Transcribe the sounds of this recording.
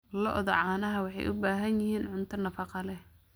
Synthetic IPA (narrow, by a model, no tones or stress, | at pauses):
lɔʔðɐʕɑːnɐɦɐwɑħɑ̰jʔʊ̰baːɦɐnjɪhiːnʕʊnt̪ʰɐnɐfɑqɑlɛh